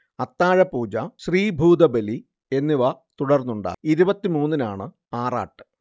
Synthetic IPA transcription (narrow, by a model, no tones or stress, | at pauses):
ɐt̪ːaːɻɐpuːd͡ʑɐɕriːbʱuːd̪ɐbeli | e̞nːiʋɐt̪uɽɐrnːuɳɖa̰ːiɾubɐt̪ːimuːnːinaːɳɨ | aːra̰ːʈːɨ̥